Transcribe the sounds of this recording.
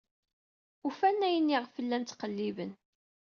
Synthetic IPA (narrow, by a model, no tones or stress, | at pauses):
ufænːæjənːiʁfəlːænt͡s̪ːqəlːivən